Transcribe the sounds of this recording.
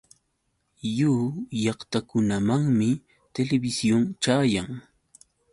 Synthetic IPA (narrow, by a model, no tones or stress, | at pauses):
juːjɑχt̪akʊnamaŋmɪ | t̪elebɪsjoŋt͡ʃaːjaŋ